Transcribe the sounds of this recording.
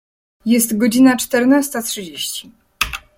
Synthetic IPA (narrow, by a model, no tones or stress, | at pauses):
jɛst̪ɡɔd͡ʑinat͡ʂt̪ɛɾnast̪at̪ʂɨd͡ʑeɕt͡ɕi